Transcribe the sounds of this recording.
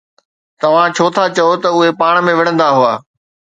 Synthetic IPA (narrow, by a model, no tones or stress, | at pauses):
t̪ɐʋ̤ãt͡ɕʰoːt̪ʰat͡ɕɐot̪ɐʊɦepaːɽ̃̆mẽʋɪɽ̃ə̃nd̪aɦʊaː